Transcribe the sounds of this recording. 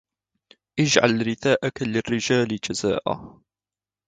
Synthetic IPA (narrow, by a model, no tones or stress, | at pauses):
ʔɪd͡ʒʕa̰lɾɪθaːʔakalɪrːɪd͡ʒaːlɪd͡ʒazaːʔa̰